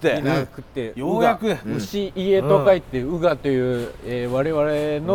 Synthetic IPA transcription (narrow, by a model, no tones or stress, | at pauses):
einakɯ̟t̪ːejoɯɡakɯɯ̟ɕiʔːe̞t̪okait̪ːeɯ̟ɡat̪o̞jɯ̟ːeβaɾe̞βaɾe̞no